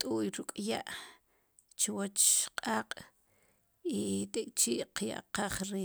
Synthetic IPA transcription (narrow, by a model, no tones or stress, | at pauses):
t̪ʼujɾukʼjaʔ | t͡ʃwot͡ʃqʼaːqʼ | it̪ekʼt͡ʃiːʔqja̰ʔqaχɾi